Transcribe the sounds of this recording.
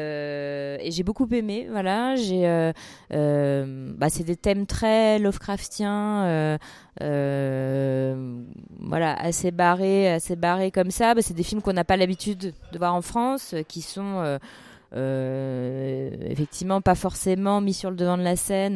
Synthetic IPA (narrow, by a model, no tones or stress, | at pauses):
ø | eʒebokupemevwalaʒeø | ø | basɛd̪et̪ɛmt̪χɛlɔfkχaft̪jɛ̃ø | ø | vwa̰la̰ʔa̰sebaʁeasebaʁekɔmsabasɛd̪efilmkɔ̃napalabit̪yd̪d̪əvwaʁɑ̃fχɑ̃skʲisɔ̃ø | ø | ḛfɛk̚t̪ʰivmɑ̃pafɔʁsemɑ̃misyʁləd̪əvɑ̃d̪əlasɛn